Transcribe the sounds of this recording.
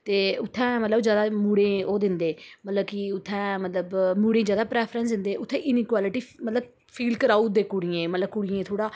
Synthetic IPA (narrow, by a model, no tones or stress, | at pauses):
t̪eːʊt̪ʰːɛ̃ːmət̪ləbd͡ʒjaːd̪aːmuːɽẽːoːd̪ɪnd̪eːmət̪ləbkɪʊt̪ʰːɛ̃ːmət̪ləbmuːɽẽːd͡ʒjaːd̪aːpɾɛːpʰɾənsd̪ɪnd̪eːʔʊt̪ʰːɛ̃ːʔɪniːkwaːlɪʈiːmət̪ləb | fʰiːlkəɾaːuːd̪eːkʊɽiẽːmət̪ləb̚kʊɽɪẽːt̪ʰoːɽaː